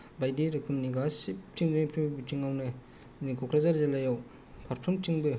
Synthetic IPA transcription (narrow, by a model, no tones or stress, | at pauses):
bajdiɾekʰɯmniɡasiptiŋnepʰibitiŋawnɯ | nikʰɔkʰɾazaɾzalajaw | pʰaɾ̚pʰɔmtiŋbɯ